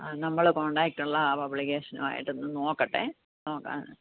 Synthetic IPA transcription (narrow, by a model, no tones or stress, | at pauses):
nɐmːɐɭkoɳɖaːk̚ʈːuɭːɐpɐbɭikeːʂɐnṵma̰ːjḭʈːenːɨnoːkːɐʈːḛ | noːkːa̰ː